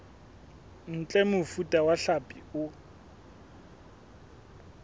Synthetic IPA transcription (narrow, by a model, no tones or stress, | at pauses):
n̩t͡ɬʼɛmʊfutʼawaɬapʼiʊ